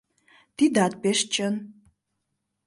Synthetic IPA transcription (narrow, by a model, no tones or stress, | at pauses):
t̪id̪at̪̚peʃt͡ɕən